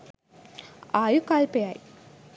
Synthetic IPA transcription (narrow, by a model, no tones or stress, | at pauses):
aːjukaːlpejaːj